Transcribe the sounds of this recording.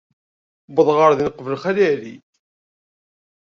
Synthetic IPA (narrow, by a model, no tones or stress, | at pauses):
bəðˤʁəɾðinəqːvəlχælælḭ